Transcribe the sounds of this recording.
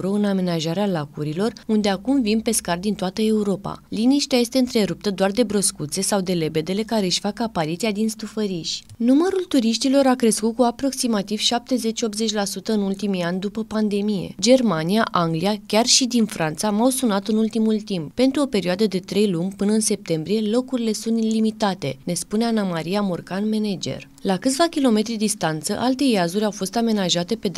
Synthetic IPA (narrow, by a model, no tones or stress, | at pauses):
ɾoɨname̞naʒaɾealakuɾilo̞rund̪e̞akumvinpe̞skard̪int̪oat̪əe̞uɾo̞pa̰liniʃt̪eaje̞st̪e̞ɨnt̪ɾe̞ɾup̚t̪əd̪oard̪e̞bɾo̞skut̪se̞sawd̪e̞le̞be̞d̪e̞le̞kaɾe̞ɨʃfakapaɾit̪siad̪inst̪ufəɾiʃʲnuməɾult̪uɾiʃt̪ilo̞ɾakɾe̞skut̪̚kuapɾo̞ksimat̪iv̥ʃap̚t̪e̞ze̞t͡ʃʲo̞p̚t̪ze̞t͡ʃʲlasut̪əɨnult̪imianʲd̪upəpand̪e̞mije̞̰d͡ʒe̞rmaniaʔaŋɡliakʲarʃid̪infɾant̪samawsunat̪ɨnult̪imult̪imp̚pe̞nt̪ɾuo̞pe̞ɾʲioad̪əd̪e̞t̪ɾe̞jlumʲpɨnəɨnse̞p̚t̪e̞mbɾije̞lo̞kuɾile̞sunt̪limit̪at̪e̞ne̞spuneanamaɾiamorkanme̞ned͡ʒe̞̰r | lakɨt̪sʲvakʲilo̞me̞t̪ɾid̪d̪ist̪ant̪sə̰ʔalt̪e̞jazuɾʲawfo̞st̪ame̞naʒat̪e̞pe̞d̪